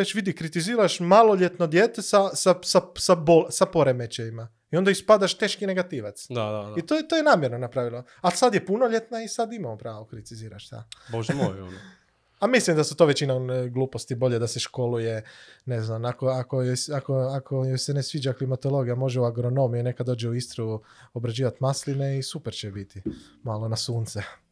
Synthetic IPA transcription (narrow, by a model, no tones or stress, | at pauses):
ɾet͡ʃʋid̪ikɾit̪iziːɾaʃmalo̞ʎe̞t̪nod̪jeːt̪esasasasabolsapo̞ɾemet͡ʃejima | iond̪aispad̪aʃt̪e̞ːʃkine̞ɡat̪iʋat̪sd̪aait̪oet̪ojenaːmjeɾnonapɾaːʋilˠo | alsad̪je̞punoʎe̞t̪naisad̪imamopɾaːʋokɾit̪iziːɾa̰ʃt̪a̰boʒojon | amislimd̪asut̪o̞ʋet͡ɕinaɡlˠuːpost̪ibo̞ʎed̪aseʃko̞luje̞ne̞znamakoakojojakoakʰojojsenesʋiːd͡ʒaklimat̪o̞lo̞ɡijamo̞ʒeuaɡɾo̞no̞mijune̞kad̪o̞ːd͡ʒeuist̪ɾou | o̞bɾad͡ʑiːʋat̪maslineisupeɾt͡ʃebit̪imaːlo̞nasuːnt̪se